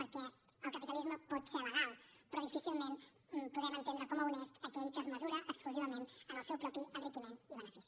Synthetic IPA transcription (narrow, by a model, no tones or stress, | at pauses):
pəɾkɛəlˠkəpit̪əlizməpɔt̪sɛɾləɣalˠpɾɔðifisilˠmen | puðɛmənt̪end̪ɾəkɔməunɛst̪əkɛʎkəːzməzuɾəʔəkskluziβ̞əmenənəlˠsɛwpɾɔpiənrikimeniβənəfis